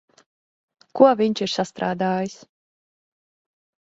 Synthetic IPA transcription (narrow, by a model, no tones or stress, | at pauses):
kuvʲiɲʲt͡ʃiɾsast̪ɾaːd̪aːjis